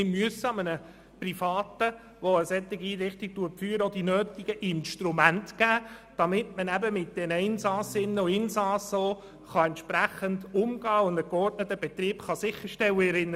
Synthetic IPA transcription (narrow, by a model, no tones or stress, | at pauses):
ɪmyəsəɑmənə | prifɑːtə | ʋoəsɛt̪ːɪɡiiːɾɪχtɪk̚tuəfyːɾəod̥inøːt̪iɡ̥əʔɪnʃtɾumæntɡ̥æːd̥ɑmɪtmənæbəmɪt̚d̥ɛnəɪnsɑsɪnːəoɪnsɑso | χɑɛnt̪ʃpɾæχəndʊmɡɑːʊndəkɔrtnətːəbɛt̪ɾiːpχɑsɪχːəɾʃtɛləɛɾɪnː